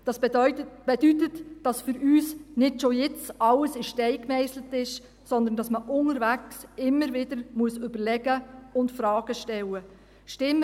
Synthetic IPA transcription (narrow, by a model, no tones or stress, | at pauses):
d̥ɑsb̥ɛdytətd̥ɑsfʏɾyːsnɪtʃojɪt͡sɑləsɪʃtɛɪkmɛɪslətɪʃ | sɔnd̪ən̩dɑsməʔʊŋəɾvæksɪmːəɾvɪdəɾmuəsʏbəɾlɛɡəʊndfɾɑːɡ̥əʃtɛwə | ʃtɪmː